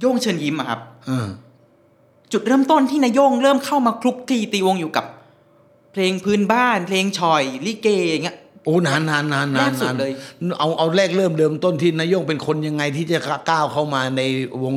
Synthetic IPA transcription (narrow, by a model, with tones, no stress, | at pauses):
jo˥˩ŋt͡ɕʰɤː˧nji˧˥mʔa˨˩kʰa˦˥p̚ʔɤː˧˩ | t͡ɕu˨˩t̪̚ɾɤː˥˩˨mt̪o˥˩nt̪ʰiː˥na˦˧˥jo˥˩ŋɾɤː˥˩mkʰa˥˩wmaː˧kʰɾu˦˥k̚t̪ʰiː˧t̪iː˧wo˧ŋjuː˨˩ka˨˩p̚ | pʰleː˧ŋpʰɯː˦˥nbaː˥˩npʰleː˧ŋt͡ɕʰɔ˨˩jliː˦˥˩keː˧˩ja˨˩ŋːi˦˥ʔoː˨˧˩na˦˥nːaː˦˥nːaː˦˥nːaː˦˧˥nː˩su˨˦˥n̚lɤː˧jʔa˧wʔa˧wɾɛː˥˩k̚ɾɤː˥˩mɾɤː˧mt̪o˥˩nt̪ʰiː˥˩na˦˥jo˥˩ŋpe˧nkʰo˧nja˧ŋːa˧jt̪ʰiː˥˩t͡ɕa˨˩˧kaː˥˩wkʰa˥˩wmaː˧na˧jwo˧ŋ